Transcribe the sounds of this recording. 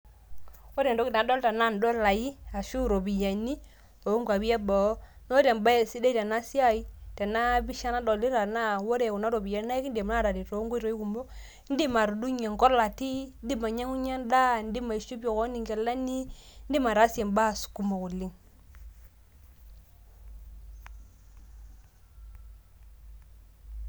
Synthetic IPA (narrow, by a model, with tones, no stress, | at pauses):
wo˦ɾe˨ndo˦ki˨na˨dɔ˦lta˨na˦˨n˨do˦la˨ji˦a˨ʃu˦˨ɾo˨bi˨ja˨ni˦ | o˨˦ŋɡwa˨bi˦e˦bɔ˨˦ | no˦ɾe˨mba˦˨si˦de˦te˨na˦si˦a˦i˦te˨na˦bi˦ʃa˦na˦do˨li˦ɾa˨na˦wo˦ɾe˨ku˨na˦ɾo˨bi˨ja˨n˦na˦i˦kn˦de˨m˦a˦ɾa˨di˨to˨˦ɡo˦i˦ɾo˨˦i˦ku˨mbo˦ | n̩˦di˦ma˨ɾdu˦ɲa˨ŋko˦ɾla˨ti˦n˦di˦ma˨ɲa˦ŋu˦ɲa˦nda˦n˦di˦ma˨i˨ʃu˦bo˨ko˦ni˨ŋɡe˨la˦ni˦n̩˦di˦ma˨ɾa˨˦se˨mba˦˨su̥˨ku˨mo˨ku˨lːi˦ŋ